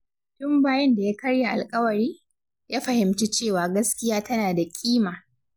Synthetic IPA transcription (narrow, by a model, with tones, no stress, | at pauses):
tʊ˦mbaː˦jɐ˦nda˨ja˦kɐ˦ɽja˨ʔa̰˨lkʼɐ˦wɐ˨ɾiː˦ | jaː˦ɸɐ˨hɪ˨mt͡ʃi˦t͡ʃeː˦˨waː˨ɡɐ˦skʲɪ˦jaː˦tɐ˦naː˨da˨kʲʼiː˦maː˨